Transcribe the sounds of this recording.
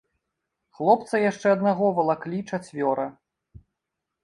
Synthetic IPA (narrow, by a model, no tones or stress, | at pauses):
xlˠɔp̚t̪sɐjaʂt͡ʂɛɐd̪naɣɔvɐlˠaklʲit͡ʂat͡sʲvʲɔɾɐ